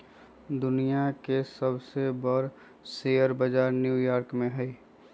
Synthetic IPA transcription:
d̪ʊnijakesəbsebəɾ | seːəɾbəd͡ʒaːɾnjuːjaːɾkmẽɦɛi

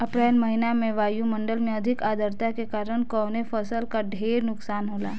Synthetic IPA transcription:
əpɾejlməɦinamẽʋaːjuməɳɖəlmẽəd̪ʱikaːd̪ʱəɾt̪akekaːɾəɳ̃kəʋnefəsəlkaɖʱeːɾnʊksaːnɦoːla̰ː

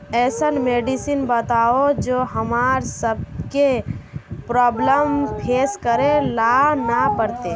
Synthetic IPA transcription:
ɛːsənmeːɖisinbət̪aːod͡ʒoːɦəmaːɾsəb̚ke | pɾɔːbləmpʰeːskəɾelanapəɾt̪e

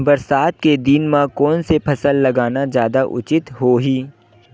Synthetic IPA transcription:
bɐɾsaːt̪̚ked̪inmãkɔːnsepʰɐsəlːɐɡaːnazjaːd̪aʔʊ̰t͡ʃɪt̪ɦoːɦiː

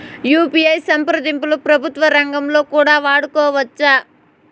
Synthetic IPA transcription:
juːpijɐjsɐmpɾud̪impulupɾɐbʱut̪ʋɐɾɐŋɡɐmlo̞ːkuːɽaːʋaːɽukɔːʋɐt͡ʃːaː

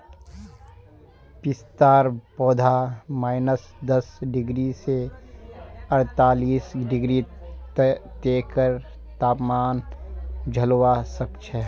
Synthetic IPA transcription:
pɪst̪aːɾpɔːd̪ʱamaːɪnəs | d̪ɐsɖɪɡɾise | ɐɾt̪aːliːsɖɪɡɾi | t̪eːkəɾ | t̪aːpmaːn | d͡ʒʱɐlowasəkt͡ʃʰɛ

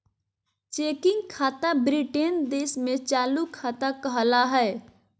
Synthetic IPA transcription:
t͡ʃekɪŋɡkʰaːt̪abɾiʈend̪esmẽt͡ʃaːlukʰːat̪akəɦlaɦɛ

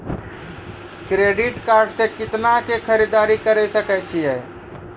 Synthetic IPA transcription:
kɾeɖiʈkaɾɖsẽkɪt̪nakekʰəɾid̪aɾikəɾɛsəkɛt͡ʃʰiɛ

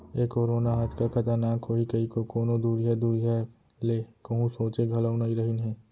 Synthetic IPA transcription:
ekoːɾoːnaɦad͡ʒkakʰɐt̪əɾnaːkːoːikɐikokoːnod̪uːɾiɦad̪uːɾiɦa | leːkɐɦũsoːt͡ʃeɡʱɐləʊnaiɾɐɦinɦɛ̃ː

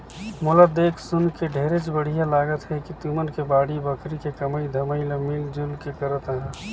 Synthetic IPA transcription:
mʊlad̪eːkʰsʊnkeɖʱeːɾet͡ʃbəɽ̤ijalaːɡət̪ɦɛkit̪uːmənkebaːɽibəkʰɾikekəməid̪ʱəməiləmiːld͡ʒʊlkekəɾət̪əɦɛ̃

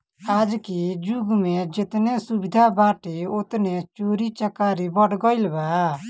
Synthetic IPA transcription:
aːd͡ʒkid͡ʒʊɡmẽd͡ʒɪt̪nesubid̪ʱabaːʈeot̪net͡ʃoɾit͡ʃəkaːɾibɔʈʰɡɔilba

